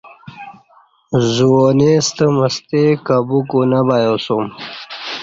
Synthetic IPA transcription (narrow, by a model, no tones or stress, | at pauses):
zuonest̪əməst̪ekabukunabajosum